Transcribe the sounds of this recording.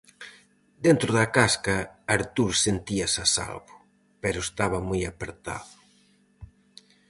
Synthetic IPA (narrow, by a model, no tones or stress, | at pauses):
d̪ent̪ɾʊðɐkaskɐaɾt̪uɾsent̪iɐsasa̰lβʊ | pɛɾʊest̪aβɐmujapeɾt̪a̰ðʊ